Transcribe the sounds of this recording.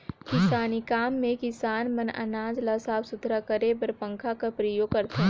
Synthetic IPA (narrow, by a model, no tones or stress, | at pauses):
kɪsaːnikaːmːẽkɪsaːnmɐnɐ̰naːd͡ʒlasaːbsʊt̪ɾakəɾebəɾpə̃ŋkʰakɐpɾəjoɡ̚kɐɾt̪e